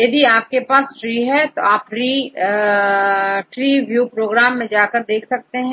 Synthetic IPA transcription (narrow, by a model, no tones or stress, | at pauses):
jɐd̪iaːp̚kepaːsʈɾiːɦɛt̪oaːpɾiː | ʈɾiːʋjuːpɾoːɡɾaːmːẽd͡ʒaːkəɾd̪eːkʰsɐk̚t̪eɦɛ̃